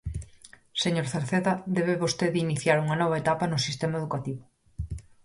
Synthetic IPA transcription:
seɲoɾθaɾθeðɐd̪ɛβeβost̪eðiniθjaɾuŋɐnɔβ̞ɐet̪apɐnʊsist̪emaeðukat̪iβʊ

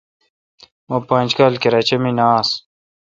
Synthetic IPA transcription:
oːpãːnʲd͡ʑkaːlkeɾɐt͡ɕeminaːs

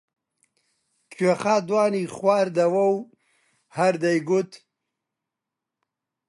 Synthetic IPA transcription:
kʰeχaːd̪wɑːniχwaːɾd̪awaw | haɾd̪ajɡut̪

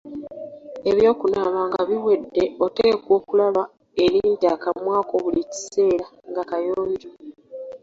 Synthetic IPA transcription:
e̞βjo̞ːkunaβaːŋɡaβiwe̞dːe̞o̞teːkwo̞ːkulaβa | e̞ɾiːntakamwaːko̞βulici̥se̞ːɾa | ŋɡakajoːliɾo

